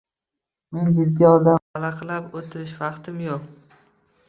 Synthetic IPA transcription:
me̞nd͡ʒɪd̪ɡʲaɒd̪aalaqlapot̪ʰɪɾɪʃvɑqt̪ʰɪmjoq

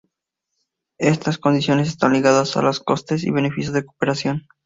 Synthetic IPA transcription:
e̞st̪asko̞nd̪isjo̞nes̬est̪anliɣaðasa̰losko̞st̪e̞sḭβe̞ne̞fisjozðekopeɾasjo̞n

